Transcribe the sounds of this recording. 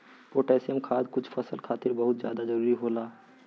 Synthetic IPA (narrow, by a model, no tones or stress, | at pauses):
poːʈeːsijəmkʰaːd̪kʊt͡ʃʰfʰɐsəlkʰaːt̪ɪɾbɐɦʊt̪zjaːd̪ad͡ʒəɾuːɾiɦoːlaː